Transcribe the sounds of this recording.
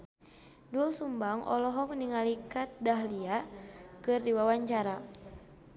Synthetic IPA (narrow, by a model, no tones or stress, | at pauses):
duɔsumbaŋʔɔ̰lɔɦɔk̚niŋalikat̪̚daɦliakɨrdiwawaɲt͡ʃaɾa